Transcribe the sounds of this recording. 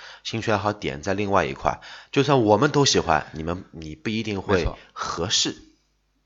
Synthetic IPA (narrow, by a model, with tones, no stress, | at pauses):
ɕi˥ŋt͡ɕʰɥɛ˥nxɑ˧˥˩ʊt̪jɛ̰˨˩nt͡sa˥˧ɪli˥˧ŋwa˥˩ɪḭ˧˥kʰwa̰˥˩ɪt͡ɕjo˥˧ʊswa˥˩nwɔ˨˩mə˦nt̪o˥ʊɕi˨˩xwa̰˦˥nni˨˩mə˦nni˨˩pu˥˩i˧˥t̪i˥˧ŋxwe˥˩ɪxɤ˧˥ʂɻ̩˥˩